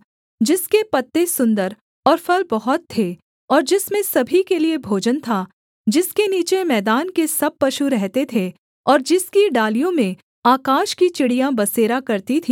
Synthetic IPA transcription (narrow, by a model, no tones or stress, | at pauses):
d͡ʒɪskepɐt̪ːesʊ̃nd̪əɾ | ɔːɾfɐlbɐɦʊt̪ʰːeː | ɔːɾd͡ʒɪsmẽsɐbʱikeliebʱoːd͡ʒənt̪ʰa | d͡ʒɪskeniːt͡ʃemɛːd̪aːnkesɐb̚pɐʃuɾɛɦt̪et̪ʰe | ɔːɾd͡ʒɪskiɖaːlijõmẽ | aːkaːʃkit͡ʃɪɽijãbɐseːɾakɐɾt̪it̪ʰiː